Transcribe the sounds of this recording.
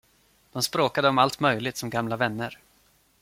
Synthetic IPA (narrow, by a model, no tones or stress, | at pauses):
d̪̥ɔmspɾoːkad̪əɔmalt̪mœjlɪɡt̪sɔmɡamlavɛnːəɾ